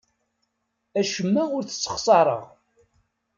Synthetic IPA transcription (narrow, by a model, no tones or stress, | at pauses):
æʃəmːæʊɾθə̥t͡sːə̥χsˤɑɾˤə̰ʁ